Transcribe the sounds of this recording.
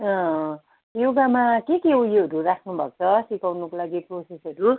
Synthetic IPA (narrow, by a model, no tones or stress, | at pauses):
ʌ̃ | joɡamakekeujoɦʌɾuɾakʰnubʱʌkt͡sʰʌsikawnukolaɡikosisʌɾu